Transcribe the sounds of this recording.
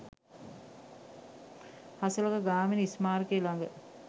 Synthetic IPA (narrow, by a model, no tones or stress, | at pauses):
hasulɐkəɡaːminəismaːɾkeːlaŋɡə